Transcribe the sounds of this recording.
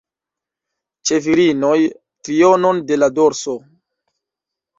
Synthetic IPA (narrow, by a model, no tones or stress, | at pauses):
t͡ʃe̞viɾinoj | tɾiono̞nde̞lado̞ɾso